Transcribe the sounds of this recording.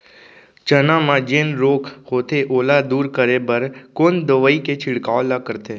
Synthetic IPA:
t͡ʃənãmãd͡ʒẽːnɾoːkʰhoːt̪eʔoːlad̪uːɾkəɾebəɾkoːnd̪əʋəiket͡ʃʰɪɽkaːolakəɾt̪eː

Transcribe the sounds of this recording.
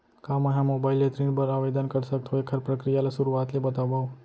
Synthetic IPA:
kamaɦãmobailet̪ɾipəɾaʋed̪ankəɾʃək̚t̪ʰoekʰəɾpɾəkɾijalesuɾuat̪lebət̪aʋaʋ

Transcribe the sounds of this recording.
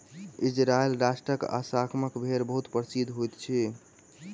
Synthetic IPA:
id͡ʒɾaelɾasʈɾəka̰sakʰməkbʱeɾbəɦut̪pəɾsid̪ʱɦojt̪t͡ʃʰi

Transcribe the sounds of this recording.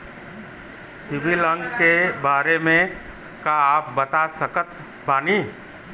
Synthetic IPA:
sɪbilə̃ŋɡkebaːɾemẽ | kaːp̚bɐt̪asəkət̪ | baːni

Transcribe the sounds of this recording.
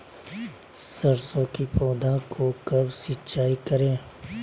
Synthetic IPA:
səɾsõkipɔːd̪ʱãkʰokɐbsɪtːt͡ʃaːikəɾẽː

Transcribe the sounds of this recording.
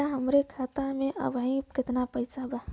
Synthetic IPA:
aɦəmɾekʰat̪amẽʔə̰bʱaĩkɪt̪napəjsaba

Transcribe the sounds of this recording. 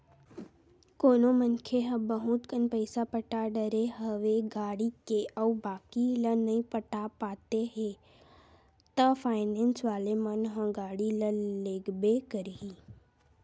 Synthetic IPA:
koːnomənkʰeɦə̃bəɦut̪kənpəɪsapəʈaɖəɾeɦəʋeɡaːɽikeʔəubaːkilənəĩpəʈapaːt̪eɦe | t̪əfʰaːɪnensʋaːlemãnɦə̃ɡaːɽiləleːɡbekəɾɦiː

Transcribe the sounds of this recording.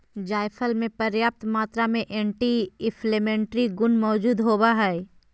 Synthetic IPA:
d͡ʒaːjfʰəlmẽpɐɾjaːp̚t̪maːt̪ɾamẽʔɛ̃ːɳʈiɪfʰleːmẽːɳʈɾiɡʊnmɔːd͡ʒuːd̪ɦoːbaɦɛː

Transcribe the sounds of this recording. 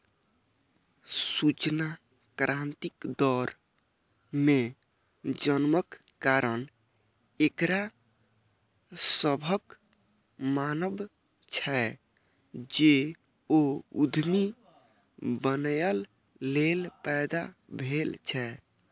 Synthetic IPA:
sut͡ʃna | kɾʔãnt̪ikd̪ɔɾ | mẽ | d͡ʒənməkː | aɾən | ekɾa | səbʱək | manəb | t͡ʃʰɛ | d͡ʒe | oud̪ʱmi | bənjəlː | elpɛjd̪a̰bʱelt͡ʃʰɛ

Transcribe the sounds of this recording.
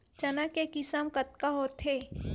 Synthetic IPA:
t͡ʃɐnakekɪsəmkɐt̪̚kaɦot̪ɦeː

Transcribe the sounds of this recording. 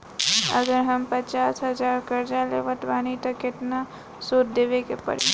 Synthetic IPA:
ə̰ɡəɾɦəmpət͡ʃasɦəd͡ʒaɾkəɾd͡ʒalḛʋət̪banit̪əkeʈna | sot̪d̪ebekepə̰ɽḭ

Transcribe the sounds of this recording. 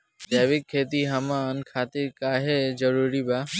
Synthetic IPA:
d͡ʒeːʋɪkʰːeːt̪iɦɐmaːnkʰaːt̪ɪɾkaːɦezəɾuːɾibaː

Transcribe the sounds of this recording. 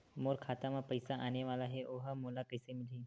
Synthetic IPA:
moːɾkʰaːt̪amãpəjsaʔaneʋaːlaɦeʔoɦamoːlakəjsemɪliː

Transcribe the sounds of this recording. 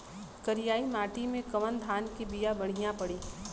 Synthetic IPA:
kɐɾijaːimaːʈimẽkɐʋənd̪ʱaːnkibijabɐɽ̤ijãpɐɽiː

